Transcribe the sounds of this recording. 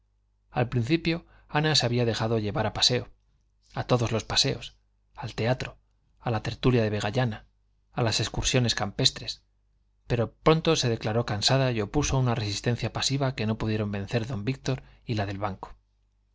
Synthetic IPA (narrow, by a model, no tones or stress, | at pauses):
alpɾin̟θipjo̞ | anaseaβiaðe̞xaðo̞ʎe̞βaɾapase̞o | at̪o̞ðo̞zlo̞spase̞o̞s | alt̪e̞at̪ɾo̞ | alat̪e̞ɾt̪uljaðe̞βe̞ɣ̞aʎanaː | lase̞skuɾsjo̞ne̞skampe̞st̪ɾe̞s | pe̞ɾopɾo̞nt̪o̞se̞ð̞e̞klaɾo̞kansað̞ajo̞pusounare̞sist̪e̞n̟θjapasiβake̞no̞puðje̞ɾo̞mbẽ̞n̟θe̞ɾðo̞mbik̚t̪o̞ɾilaðe̞lβaŋko̥